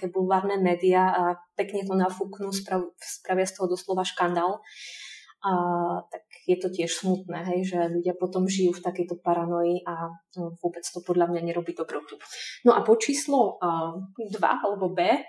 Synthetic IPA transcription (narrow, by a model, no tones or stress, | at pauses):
kɛbulʋaːɾnɛmɛːd̪iapɛkɲɛt̪̬ɔnafuknuspɾaspɾaʋɪast̪ɔɦɔd̪ɔslɔʋaʃkand̪aːl | t̪akjɛt̪ɔcɪɛʃsmut̪nɛːɦɛjʒɛʎuɟɪapɔt̪ɔmʒijuːft̪akɛjt̪ɔpaɾanɔjiʔaʋʊɔbɛt͡st̪ɔpɔd̪ʎamɲaɲɛɾɔbiːd̪ɔbɾɔt̪unɔʔapɔt͡ʃiːslɔ | d̪ʋa̰alɛbɔbɛː